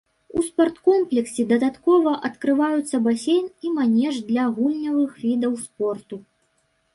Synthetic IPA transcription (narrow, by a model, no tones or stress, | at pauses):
uspart̪kɔmplʲɛksʲid̪ɐd̪at̪kɔvɐʔɐt̪kɾɨvajut̪sːɐbasʲejnimanʲɛʐd̪lʲɐɣulʲnʲɐvɨxvʲid̪ɐwspɔrt̪u